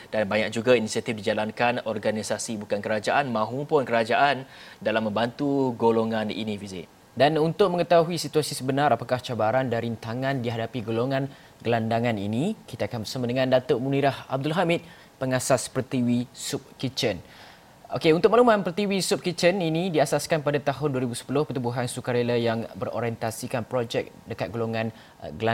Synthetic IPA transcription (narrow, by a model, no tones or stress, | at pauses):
d̥anbaɲak̚d͡ʒuɡainisiat̪ifdid͡ʒalankanɔrɡanisasibukankəɾad͡ʒaʔanmãɦupʊnkəɾad͡ʒaʔan | dalamːə̃mbant̪uɡoloŋãnḭnĩvizḭ | danunt̪ʊk̚mə̃ŋət̪aɦuisit̪uasisəbənaɾapakaht͡ʃabaɾandaɾint̪aŋãndiɦadapiɡoloŋãn | ɡəlandaŋanḭnikit̪aːkanbərsamadəŋãndat̪oʔmuniɾahab̚dʊlɦamɪt̪̚ | pəŋasaspərt̪iwisʊp̚kit͡ʃən | ʔokeunt̪ʊk̚malumãnpərt̪iwisup̚kit͡ʃəninĩdiasaskanpadat̪aɦʊnduaɾibusə̥pulʊhpət̪ubuɦansukaɾelajaŋbəɾo̰ɾiɛnt̪asikanpɾod͡ʒɛk̚dəkat̪̚ɡoloŋãn | ɡəla